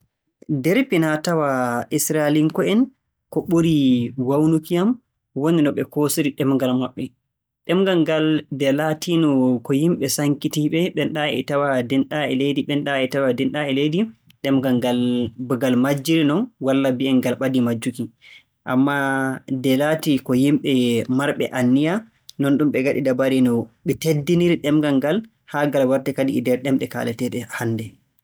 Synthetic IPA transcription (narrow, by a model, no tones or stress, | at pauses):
dɛɾpinatawaʔisɾaliŋkɔɛn | kɔɓuɾiwawnukijam | woninɔɓɛkosiɾiɗɛmŋɡalmaɓːɛ | ɗɛmɡaŋɡaldɛlatinɔkɔjimɓɛsaŋkitiɓɛɓɛnɗaɛ̰tawadɛnɗaɛ̰lejdiɓɛnɗaɛtawadɛnɗaɛlejdi | ɗɛmɡaŋɡalbɡalmad͡ʒːiɾinɔnwalːabiɛnɡalɓadimad͡ʒːuki | ʔa̰mːadɛlatikɔjimɓɛmaɾɓɛ̰ʔanːija | nɔnɗumɓɛɡaɗḭdabaɾinɔɓɛtedːiniɾiɗɛmɡaŋɡal | haɡalwaɾtɛkadiːdɛɾɗɛmɗɛka̰lɛtɛɗɛhandɛ